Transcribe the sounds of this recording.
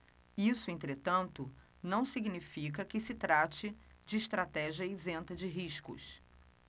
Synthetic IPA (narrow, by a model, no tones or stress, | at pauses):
isʊẽnt̪ɾet̪ɐ̃nt̪ʊ | nɐ̃w̃siɡnifik̬ɐkɪsɪt̪ɾat͡ʃɪd͡ʒɪːʃt̪ɾat̪ɛʒiɐizẽnt̪ɐd͡ʒɪɦiʃkʊ̰s